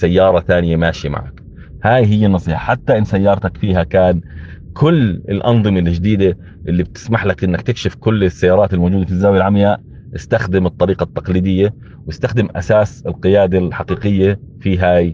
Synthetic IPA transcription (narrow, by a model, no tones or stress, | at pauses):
sajːɑːɾˤɑθaːnɪjamaːʃima̰ʕa̰k | haːjɦɪjːanːɑsˤiːħɑ̥ħat̪ːaʔɪnːsajːɑːɾˤt̪akfiːɦakaːnkʰʊlːɪ̰lʔɑnðˤɨmalːɪd͡ʒd̪iːd̪a | ʔɪlːib̚t̪ɪ̥smaħlakʔɪnːakt̪ɪkʃɪfkʊlːɪsːajːɑːɾˤɑːt̪ɪlmoːd͡ʒuːd̪afizːaːwjalʕamjaːʔ | jɪst̪axd̪ɪmɨt̪ˤːɑɾiːqɑt̪ːɑqliːd̪ɪjːa | wjɪst̪axd̪ɪmʔa̰saːsɪlqɪjaːd̪alħaqiːqɪjːafiːɦaːj